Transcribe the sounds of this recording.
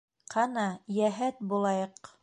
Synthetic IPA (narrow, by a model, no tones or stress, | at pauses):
qʰɑnɑjæɦæt̪̚bulˠɑjɤq